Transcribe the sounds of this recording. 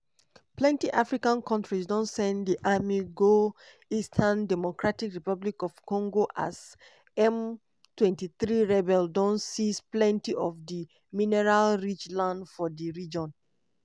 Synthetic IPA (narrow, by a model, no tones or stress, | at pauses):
plɛ̃ntiʔafɹikãnkʰɔ̃ntɹisdɔ̃nsɛ̃ndiʔamiɡo | istʰandɛmokɹatikɹipablikɔv̥kɔ̃ŋɡoʔa̰z | ɛ̃m | twɛ̃ntiθɹiɹɛbɛldɔ̃nsisplɛ̃ntiɔvdi | minɛɹalɹit͡ʃlãndfɔdiɹid͡ʒɔ̃n